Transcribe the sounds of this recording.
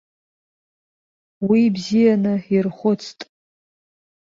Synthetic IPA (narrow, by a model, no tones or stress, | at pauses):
wibzijanɨirχʷʊt͡sʰtʼ